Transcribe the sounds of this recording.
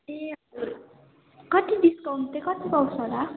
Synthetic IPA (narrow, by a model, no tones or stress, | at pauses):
neɦʌd͡zuɾ | kʌt̪id̪iskʌwmt̪ekʌt̪ipʌwsʌɦla